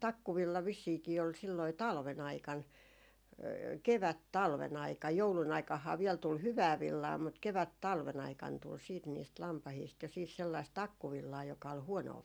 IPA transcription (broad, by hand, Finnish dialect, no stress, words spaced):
tɑkːuʋilːɑ ʋisːiːki ol silːɑi tɑlʋen ɑikɑn keʋæt tɑlʋen ɑikɑj joulun ɑikɑhːɑː ʋiɛl tul hyʋæː ʋilːɑː mut keʋæt tɑlʋen ɑikɑn tul siːt niːst lɑmpɑhiːst jo siːs selːɑist tɑkːuʋilːɑː jokɑ ol huonoː